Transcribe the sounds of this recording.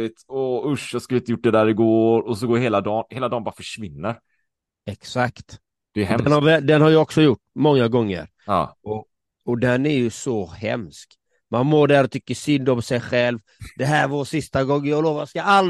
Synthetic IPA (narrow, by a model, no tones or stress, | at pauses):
ɪt̪ɔɵʂjaskalɪnt̪əjʊʈ̚ːd̪ɛd̪æːɾɪɡoːɾɔsɔɡoːheːlad̪ɑːnheːlad̪ɑːnbɑːɾafœʂvɪnːəɾ | ɛksakt̪ | d̪̥ɛːɦɛmd̪ɛnhaɾvɛd̪ɛnhaɾjɑɔksɔjʊʈːmɔŋːaɡɔŋːə̰ɾ̰ | ɔ | ɔd̪ɛnæɾjɵsɔhɛ̰msk | manmoːɖæːɾɔt̪ʰʏkːəʂʏnd̪ɔmsɛjɧɛlv | d̪ɛɦæːɾvasɪst̪aɡɔŋːəjɑːɡloːvajskaalː